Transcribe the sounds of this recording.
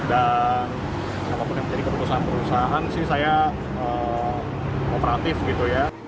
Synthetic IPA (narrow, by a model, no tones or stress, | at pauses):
dan | apapʊnjaŋməɲd͡ʒadikəpət̪usaɦanpəɾusaaɦansɪhsaja | ə | opəɾat̪ɪfɡit̪uja